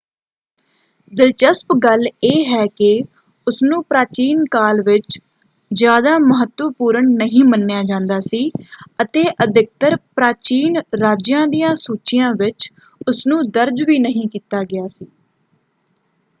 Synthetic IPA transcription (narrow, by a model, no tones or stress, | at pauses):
d̪ɪlt͡ʃəspɡəleːɦɛːkɪ | ʊsnũːpɾaːt͡ʃiːnkaːlʋɪt͡ʃ | d͡ʒɪjaːd̪aːməɦət̪ʋəpuːɾəɳnəɦĩːmənːɪjaːd͡ʒãːnd̪aːsiːət̪eːʔəd̪ɪk̚t̪əɾpɾaːt͡ʃiːnɾaːd͡ʒjãːd̪ijãːsuːt͡ʃɪjãːʋɪt͡ʃ | ʊsnũːd̪əɾd͡ʒʋiːnəɦĩːkiːt̪aːɡɪaːsiː